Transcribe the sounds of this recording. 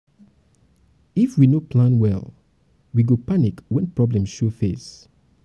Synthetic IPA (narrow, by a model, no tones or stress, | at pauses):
ifwinopʰlãnwɛ̰lˠ | wiɡopanikwɛ̃npɹɔblɛ̃mʃofes